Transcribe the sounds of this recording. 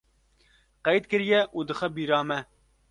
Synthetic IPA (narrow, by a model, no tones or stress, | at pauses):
qɛjd̪kɨɾjɛʔuːd̪ɨxɛbiːɾɑːmɛ